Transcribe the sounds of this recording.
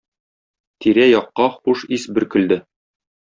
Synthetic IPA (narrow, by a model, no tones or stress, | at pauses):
t̪iɾæjɒqːɑχuʃisbɘ̆ɾkɵ̆ld̪ɘ